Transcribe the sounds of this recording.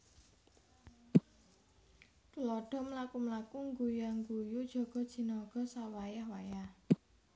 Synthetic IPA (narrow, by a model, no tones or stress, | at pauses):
kulɔɖ̥ɔ̤mlakumlakuŋɡujaŋɡujud̥ʒ̥ɔ̤ɡ̥ɔ̤d̥ʒ̥i̤nɔɡ̥ɔ̤sawajahwajah